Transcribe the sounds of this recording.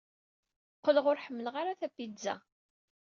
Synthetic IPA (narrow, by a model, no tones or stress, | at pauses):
qːələʁʊɾħəmːələʁaɾaθæpːizæ̰